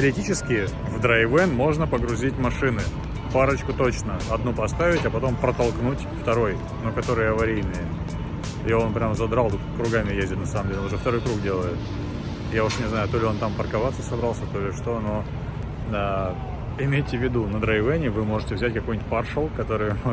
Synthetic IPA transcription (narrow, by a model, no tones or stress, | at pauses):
təɾʲɪtʲit͡ɕɪskʲɪ | vd̪ɾajvɛnmo̞ʐnəpəɡɾʊzʲitʲmɐʂɨnɨ | paɾət͡ɕkʊt̪o̞t͡ɕnəɐd̪nupɐst̪avʲɪtʲɐpɐt̪o̞mpɾət̪ɐlˠknutʲft̪ɐɾo̞j | nukɐt̪o̞ɾɨjɐvɐɾʲijnɨjə | ɪo̞npɾʲamzɐd̪ɾalˠt̪ukɾʊɡamʲɪjezʲdʲɪt̪nɐsaməmdʲelʲʊʐɛft̪ɐɾo̞jkɾukdʲe̞lˠəjɪt̪̚ | jaʊʂnʲɪznajʊt̪olʲɪo̞nt̪ampərkɐvat̪sːəsɐbɾalˠsʲət̪o̞lʲɪʂt̪o̞no̞ | a | ɪmʲejtʲɪvʲːɪd̪unəd̪ɾɐjvɛnʲɪvɨmo̞ʐɨtʲɪvzʲæt̚ʲkɐko̞jnʲtʲparʂəlˠkɐt̪o̞ɾɨj